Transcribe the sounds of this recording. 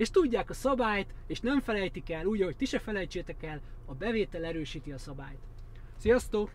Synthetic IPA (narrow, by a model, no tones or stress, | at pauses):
eːʃt̪uɟːaːkɒsɒbaːjt̪eːʃnɛɱfɛlɛjt̪ikɛlːuːɟɒɦo̞c̚t̪iʃɛfɛlɛjt͡ʃeːt̪ɛkɛlɒbɛveːt̪ɛlɛɾøːʃiːt̪iɒsɒbaːjt̪ | sijɒst̪oː